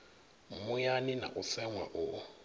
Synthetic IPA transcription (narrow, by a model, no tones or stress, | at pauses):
mʊjanɪna̰ʔʊsɛŋwaʔʊ